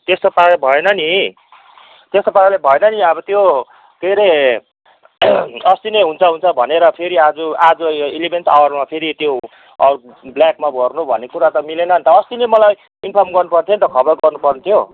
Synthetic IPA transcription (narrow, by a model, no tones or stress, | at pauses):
t̪est̪opaebʱʌenʌni | t̪est̪opalebʱʌenʌniʌbʌt̪jo | k̪eɾʌ | ʌst̪ineɦunt͡sʰʌɦunt͡sʰʌbʱʌneɾʌpʰeɾiad͡zuad͡zuelimensa̰wʌrmapʰeɾit̪jo | ʌ̰u | bljakmabʱʌrnubʱʌ̰nːekuɾat̪ʌmilenʌnt̪ʌːst̪inemʌlaj | inpʰʌmɡʌrnupʌrt̪ʰjont̪ʌkʰʌbʌrɡʌrnupʌrnt̪ʰjo